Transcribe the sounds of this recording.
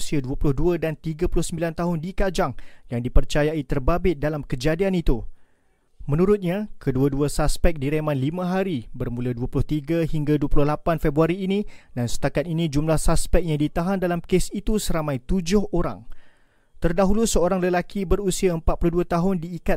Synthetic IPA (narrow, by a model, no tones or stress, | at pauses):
siaduəpulʊhduədant̪iɡapulʊhsəmbilant̪aɦʊndikad͡ʒaŋjaŋdipərt͡ʃajait̪ərbabɪt̪̚dalamkəd͡ʒadianit̪u | mə̃nũɾʊt̪̚ɲakʰəduaduəsaspɛk̚diɾemãnlimə̃ɦaɾibərmũladuəpulʊht̪iɡaɦiŋɡaduəpulʊhlapanfɛbɾuaɾiːnidansə̥t̪akat̪̚inĩd͡ʒumlahsaspɛk̚jaŋdit̪aɦandalamkesit̪usəɾamãjt̪ud͡ʒʊhoɾa̰ŋ | t̪ərdaɦulusəoɾaŋləlakʰibəɾusiaəmpat̪̚pulʊhduat̪aɦʊndiːka